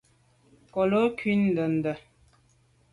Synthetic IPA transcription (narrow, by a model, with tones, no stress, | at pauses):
kɔ˨lo˦kɥi˦n˨də˨n̩˨də˨